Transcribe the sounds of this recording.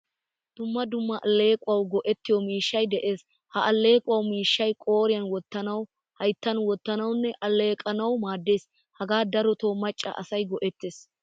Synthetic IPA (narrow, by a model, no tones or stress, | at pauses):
d̪̥ʊmːɐd̪ʊmːɐʔɐlːe̞ːkʼʊɐwɡɔʔɛt̪ːɪjɔmiːʃːɐjd̪ɛʔe̞ːs | hɐʔɐlːe̞ːkʼʊwɐwmiːʃːɐjkʼo̞ːɾɪjɐnwɔt̪ːɐnɐw | hɐjt̪ːɐnwɔt̪ːɐnɐwnːɛʔɐlːe̞ːkʼɐnɐwmaːd̪ːe̞ːs | hɐɡaːd̪ɐɾɔt̪oːmɐt͡ʃʼːɐ̰ʔɐsɐjɡɔʔɛt̪ːeːs